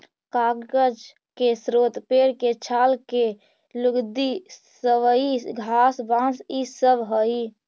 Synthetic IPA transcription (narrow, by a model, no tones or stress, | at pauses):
kaɡɡəd͡ʒ | kesɾot̪peɾket͡ʃʰalke | luɡd̪isəʋəiɡʱasbãsisəbɦəi